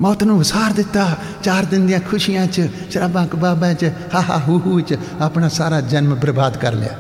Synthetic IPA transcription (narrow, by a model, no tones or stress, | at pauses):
mɔːt̪nũːʋɪsaːɾd̪ɪt̪ːaː | t͡ʃaːɾd̪ɪnd̪ɪãːkʰʊʃijãːt͡ʃ | ʃəɾəːbãːkbaːbãːt͡ʃhaːɦa̰ːɦuːɦuːt͡ʃ | apnaːsaːɾaːd͡ʒənmbəɾbaːd̪kə̰ɾl̰ja̰ː